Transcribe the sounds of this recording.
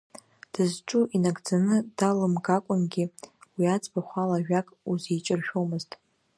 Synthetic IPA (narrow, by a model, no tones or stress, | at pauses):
d̥ɨzʈ͡ʂʼuʔinaɡʼd͡zanɨd̥alɨmɡakʷʼʊnɡʲiwiat͡sʼbaχʷalaʒᶣakʼuzet͡ʃʼɪrʃᶣomɨztʼ